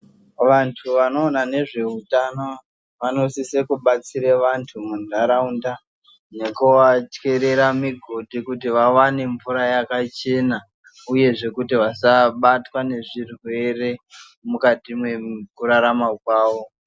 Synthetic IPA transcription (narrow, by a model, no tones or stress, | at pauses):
ʋantʰuʋano̞ːnane̞ʐe̞utano | ʋano̞sisekuɓat͡siɾeʋantʰumundʱaɾaunda | nekowat͡ʃke̞ɾe̞ɾamiɡʱodikutiʋawane̞ɱvuɾajakat͡ʃe̞na | uje̞ʐe̞kutiʋasaɓatwane̞ʐirwe̞re̞ | mukatimwe̞kuɾaɾamakwaːʋo̞